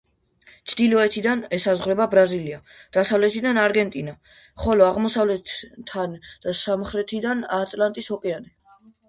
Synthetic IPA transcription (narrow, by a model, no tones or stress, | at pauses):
t̪t͡ʃ̪ʰd̪ilɔɛt̪ʰid̪anɛsazʁɾɛbabɾazilia | d̪̥asavlɛt̪ʰid̪anaɾɡɛnt̪ʼina | χɔlɔaʁmɔsavlɛt̪t̪ʰːand̪̥asamχɾɛt̪ʰid̪anat̪ʼlant̪ʼishɔkʼɛani